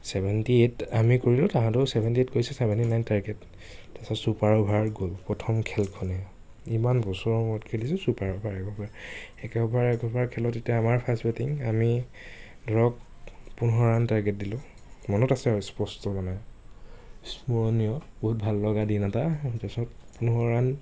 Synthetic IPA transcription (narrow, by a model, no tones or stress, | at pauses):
sɛbʱɛntietamikoɹilʊ̃taɦãtʊsɛbʱɛntiet̚koɹisɛsɛbʱɛntinajntaɹɡɛtː | ɛsɔsupaɹɔbʱaɹɡopɹɔtʰɔmkʰɛlkʰɔnɛ | imanbɔsɔɔmɔɔtkʰelisɛsupaɹɔbʱaɹɛkɔbʱaɹɛkɛɔbʱaɹɛkɔbʱaɹkʰɛlɔtːetijaamaɹpʰasbɛtiŋami | dʱɔɹɔk̚ | punɦɔɹantaɹɡɛt̚dilʊ̃ | mɔnɔtasɛspɔstɔbɔnaj | smuɹɔnijɔbɔɦut̚bʱalːɔɡadinatatɛsɔtpunɦɔɹan